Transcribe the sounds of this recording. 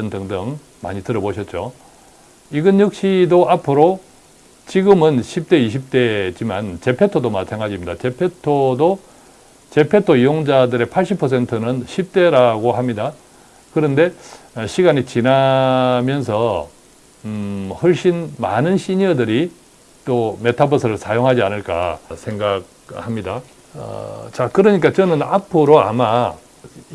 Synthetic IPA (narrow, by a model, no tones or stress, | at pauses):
ndɯŋdɯŋ | ma̰ɲitɯɾʌboɕʰʌt̚t͡ɕ͈o | iɡɯnjuk̚ɕ͈idoʔapʰɯɾo | t͡ɕiɡɯmɯnɕʰip̚t͈e̞iɕʰip̚t͈e̞d͡ʑimant͡ɕe̞pʰe̞tʰodomatʰaŋad͡ʑimɲid̪at͡ɕe̞pʰe̞tʰodo | t͡ɕe̞pʰe̞tʰoijoŋd͡ʑadɯɾe̞pʰaɭɕ͈ʰipʰʌs̬ʰe̞ntʰɯnɯnɕʰip̚t͈e̞ɾaɡohamɲida | kɯɾʌnde̞ɕʰiɡaɲit͡ɕinamjʌnsʰʌ | hoɭɕ͈inmanɯnɕʰiɲʌdɯɾi | t͈ome̞tʰabʌsʰɯɾɯɭsʰajoŋɦad͡ʑianɯɭk͈a̰sʰe̞ŋɡaɡ̚ | hamɲida | ʌ̰t͡ɕakɯɾʌɲik͈at͡ɕʌnɯnapʰɯɾoa̰ma